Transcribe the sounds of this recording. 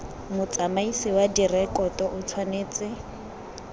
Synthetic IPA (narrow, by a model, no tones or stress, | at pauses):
mʊt͡sʼamaisiwadirɛkɔtʼɔʔʊt͡sʰwaneːt͡sʼɪ